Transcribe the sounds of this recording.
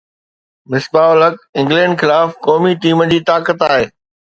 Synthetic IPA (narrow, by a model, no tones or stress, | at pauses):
mɪsbaːʊlək̚ɪ̃ŋɡlɛ̃ːɳɖxɪlaːfkɔːmiʈiːməd͡ʑiːt̪aːkət̪aːɦeː